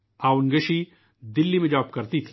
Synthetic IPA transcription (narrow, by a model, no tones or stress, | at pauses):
aːwnɡəʃi | d̪ɪlːimẽd͡ʒaːb̚kɐɾt̪it̪ʰi